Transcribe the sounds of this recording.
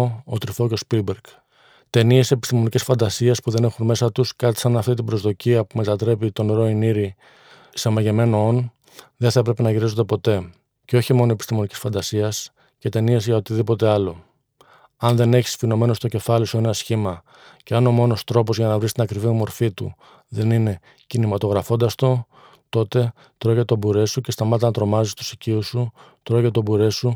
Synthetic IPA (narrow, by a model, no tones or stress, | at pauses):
ot̪ɾifo̞ceospilbeɾɡ̥ | t̪e̞nie̞se̞pi̥st̪imo̞nicesfɐnd̪ɐsiespuðe̞ne̞xunme̞sɐt̪uskɐt̪i̥sɐnɐft̪it̪̬ibɾo̞zðo̞ciɐpume̞t̪ɐt̪ɾe̞pit̪o̞neɾo̞iniɾi | semɐʝe̞me̞noon | ðenθɐepɾe̞pe̞nɐʝiɾizond̪e̞po̞t̪e̞ | ceo̞çimo̞noepist̪imo̞nici̥sfɐnd̪ɐsiɐs | ce̞t̪e̞nie̞zʝɐot̪iðipo̞t̪e̞ɐlo̞ | ɐnðe̞ne̞çi̥sfino̞me̞no̞st̪o̞ce̞fɐlisue̞nɐsçimɐ | ce̞ɐno̞mo̞no̞st̪ɾo̞po̞zʝɐnɐvɾist̪inɐkɾivimo̞ɾfit̪ṵ | ðe̞nine̞ | cinimɐt̪o̞ɣɾɐfo̞nd̪ɐst̪o̞ | t̪o̞t̪e̞ | t̪ɾo̞ʝet̪obuɾe̞suce̞st̪ɐmɐt̪ɐnɐt̪ɾo̞mɐzist̪u̥siciusu | t̪ɾo̞ʝet̪obuɾe̞su